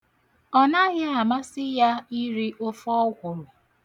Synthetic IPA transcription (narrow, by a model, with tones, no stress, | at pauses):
ɔ˦na˦ɣja˦a˨ma˦sɪ˦ja˦i˦ɾi˦ʔo˦fɔ˦kʷo˨ɾʊ˨